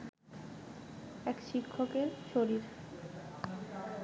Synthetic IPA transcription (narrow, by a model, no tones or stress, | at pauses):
ɛkʃikʰːokeɾʃoɾiɾ